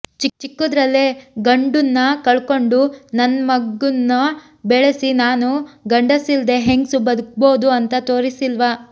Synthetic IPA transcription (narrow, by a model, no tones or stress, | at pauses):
t͡ʃit͡ʃikːud̪ɾɐlːeɡɐɳɖunːɐkɐɭko̞ɳɖunɐnmɐɡunːɐ | bɛɭesinaːnuɡɐɳɖɐsild̪e̞ɦeŋɡsubɐd̪uk̚boːd̪uɐnt̪ɐt̪o̞ːɾisilʋɐ